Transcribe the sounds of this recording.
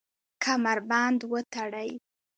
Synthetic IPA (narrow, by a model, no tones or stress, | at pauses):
kʰamaɾband̪wət̪aɽaj